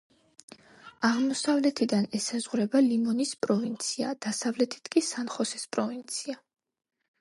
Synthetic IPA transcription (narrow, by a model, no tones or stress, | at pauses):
aʁmɔsavlɛt̪ʰid̪anɛsazʁuɾɛbalimɔnispʼɾɔvint̪sʰia̰d̪̥asavlɛt̪ʰi̥t̪ʰkʼisanχɔsɛspʼɾɔvint̪sʰia